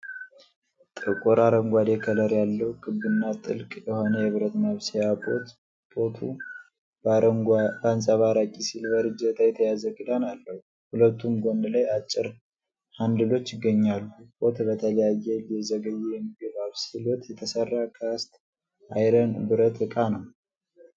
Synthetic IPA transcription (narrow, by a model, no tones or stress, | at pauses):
t̪ʼɨkʼuɾaɾəŋɡʷad̪ekʰələɾjalːəwukʰʼɨβːɨnːat̪ʼɨlkʼjɛho̞nəjɛβɨɾət̪məβsijabo̞̰t̪ | b̥o̞t̪ʰṵ | bansʼaβaɾakʼisilbəɾɨd͡ʒət̪ʰajɛt̪ʰəjazəɡɨd̪analːəhu | hulət̪ːumɡʷond̪ɨlajat͡ʃʼːɪɾ | hand̪ɨlo̞t͡ʃːɪɡːəɲːalːubʼo̞t̪bət̪ʰələjajːɛljɛzəɡəjːɛjɛmːiɡəβaβsilwɔt̪jɛt̪ʰəsərːakʰast̪ | ʔajɾənbɨɾət̪ɨkʼanəw